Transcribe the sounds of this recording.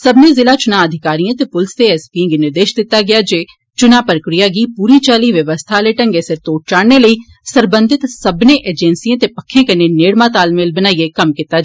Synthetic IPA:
səbnẽːzɪlaːt͡ʃʊnãːəd̪ʱɪkaːɾijãːt̪eːpʊlst̪eɛspĩŋɡnɪɾd̪eːʃd̪ɪt̪ːaːɡɪjaːd͡ʒeː | t͡ʃʊnaːpəɾəkɾɪjaːɡiːpuːɾiːt͡ʃaːliːʋjəʋəst̪ʰaleːʈə̃ŋɡeːsɪɾt̪oːʈ̚t͡ʃaːɽneləiː | səɾbə̃nd̪ʱɪt̪səbnẽːʔeːd͡ʒɛ̃ːnsiẽːt̪epəkʰːẽːkəneːneːɽmãːt̪aːlmelbənaːiekəmkɪt̪ːaː

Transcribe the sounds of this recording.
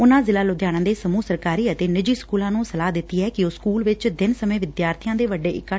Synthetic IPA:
ʊnãːzɪlaːlʊd̪ʱjaːɽ̃ãːd̪eːsəmuːsəɾkaːɾiːət̪eːnɪd͡ʒiːskuːlãːnũːsəlaːɦd̪ɪt̪ːiːɛːkɪoskuːlʋɪt͡ʃd̪ɪnsəmẽːʋɪd̪jaːɾt̪ʰɪjãːd̪eːʋəɖeːɪkːa

